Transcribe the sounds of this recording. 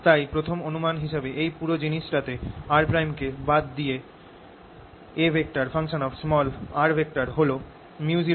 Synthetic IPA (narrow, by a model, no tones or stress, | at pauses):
t̪ajpɾot̪ʰomonumanɦiʃebeʔejpuɾod͡ʑiniʃʈat̪eaɾpɾajmkebad̪ːije | ebʱek̚ʈaɾfʰaŋʃonɔfsmɔlaɾbʱek̚ʈaɾɦolo | mjud͡ʑi